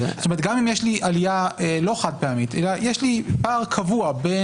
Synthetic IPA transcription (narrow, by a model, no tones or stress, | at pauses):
zotome̞t̚ɡamimjeʃlialijaelo̞χad̚peamitelajeʃlipaːʁkʰavuabe